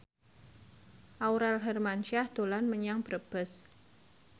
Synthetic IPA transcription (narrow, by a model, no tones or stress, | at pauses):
ʔawɾɛlɦɛrmanʃahd̪̥o̤lanməɲaŋb̥əɾəb̥əs